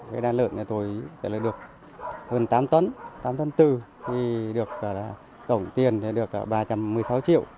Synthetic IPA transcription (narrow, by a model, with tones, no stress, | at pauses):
ka̰ː˨˦ɗaː˧nlə̰ː˧˨na˧t̪o˨˦jvɛ̰˧˩˨laː˨˩ɗɨ˨˩ək̚ | həː˧˩nt̪aː˨˦mt̪ə˧˦nt̪aː˨˦mt̪ə˨˦nt̪ɨ˨˩ | t̪ʰi˧˩ɗɨ˨˩ək̚vɔː˧˩laː˨˩ | t̪ə˧˩wŋ͡mt̪i˨˩əne˨˧˦ɗɨ˨˩ək̚la̰˧˦ɓaː˧˩t͡ɕa˧mːɨ˨˩əjsa˨˦wt͡ɕḭ˧˨əw